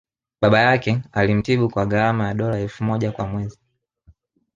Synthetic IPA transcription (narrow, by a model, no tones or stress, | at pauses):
ɓaɓajakɛalim̩tiɓukwaɡaɾamajaɗɔlaɛlfumɔʄakwamwɛzi